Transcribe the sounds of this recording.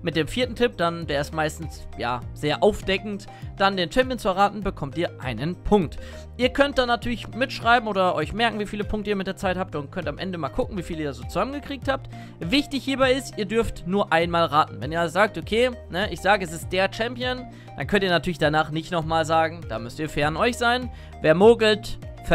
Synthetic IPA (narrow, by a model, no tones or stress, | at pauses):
mɪt̚d̥eːmfiːɐtn̩tʰɪp̚d̥and̥eːɐɪstmaɪstn̩sja̰ːz̥eːɐʔaʊfd̥ɛkŋ̩t | d̥andeːnt͡ʃɛmpjənt͡suɛɐʁaːtn̩bəkʰɔmtiːɐʔa̰ɪnənpʰʊŋk̚t | ʔiːɐkʰœnt̚d̥anːatʰyːɐlɪçmɪtʃʁ̥aɪbm̩ʔoːdɐʔɔʏçmɛɐkŋ̩viːfiːləpʰʊŋk̚təiːɐmɪt̚d̥eːɐt͡saɪthaːp̚tʊnt̚kʰœntamʔɛ̰ndəmaːlkʰʊkŋ̩viːfiːliːɐɐzoːt͡suzamənɡəkʁ̥iːk̚thaːp̚t | vɪçtɪçhiːɐbaɪɪstʔiːɐdʏɐftnuːɐʔaɪnmaːlʁaːtn̩vɛniːɐazozaːk̚tʔokʰeːnəʔɪçz̥aːɡəɛs̬ɪst̚d̥eːɐt͡ʃɛmpjən | d̥a̰nkʰœntiɐnatʰyɐlɪçd̥anaːχnɪçtnɔχmaːlzaːɡŋ̩d̥a̰ːmʏstiːɐfɛɐnɔʏçz̥aɪn | veːɐmoːɡl̩tfɛ